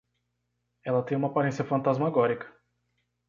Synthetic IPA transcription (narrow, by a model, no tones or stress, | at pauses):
ɛlɐt̪ẽj̃ũmapaɾẽsiɐfɐ̃nt̪azmaɡɔɾikɐ̥